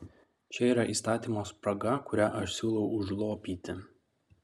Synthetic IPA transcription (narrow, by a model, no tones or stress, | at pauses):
t͡ʃʲɛiːɾɐʔiːst̪ɑːt̪ʲiːmoːspɾɐɡɐkʊɾʲæʔɐʃsʲuːlˠɐʊʊʒlˠoːpʲiːt̪ʲɪ